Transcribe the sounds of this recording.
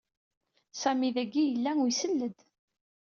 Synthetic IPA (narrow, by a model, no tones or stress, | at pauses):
sæmiðæɡːijəlːæujsəlːəd̪